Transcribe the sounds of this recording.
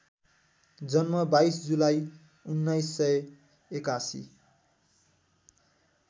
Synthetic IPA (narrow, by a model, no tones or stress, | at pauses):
d͡zʌnmʌbajsd͡zulaj | unːʌjsːʌ | ekasḭ